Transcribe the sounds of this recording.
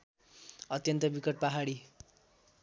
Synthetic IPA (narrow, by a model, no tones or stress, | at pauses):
ʌt̪jʌnt̪ʌbikʌʈ̚paɦaɽi